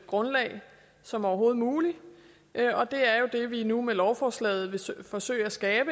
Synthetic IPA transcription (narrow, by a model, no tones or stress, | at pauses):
ɡ̥ʁɔ̽nlɛ̰ɪ | sɒ̽mɒʊɐɦo̝ːð̩ˠmuːli | ʔɒ̽d̥e̝æɐjo̝d̥e̝ʋinumelɒʊfɒslɛ̰ːð̩ˠʋe̝sfɒ̽sø̰ːɪæsɡ̥ɛːb̥ə